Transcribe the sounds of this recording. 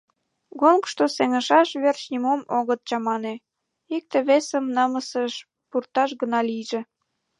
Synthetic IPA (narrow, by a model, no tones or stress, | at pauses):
ɣolkʃt̪oseŋə̆ʃɑʃβert͡ɕnʲimomoɣət̪̚t͡ɕɑmɑne | ik̚t̪eβesəmnɑməsəʃ | purt̪ɑʃɣənɑlijʒĕ